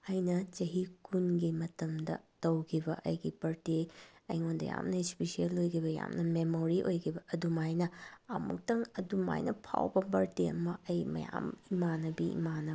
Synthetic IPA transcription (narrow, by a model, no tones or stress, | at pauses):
ɐjnɐt͡ʃɐɦikʰunɡimɐtɐmdɐ̰tɐwkʰibɐʔɐ̰jɡipɐɾteɐ̰jŋondɐ̰ja̰mnɐispisielojkʰibɐja̰mnɐmemoɾiʔojkʰibɐːdumajnɐɐmṵk̚tɐŋɐduma̰jnɐpʰa̰wbɐbɐɾteɐ̰mɐɐjmɐ̰jamimanɐbiḭmanɐ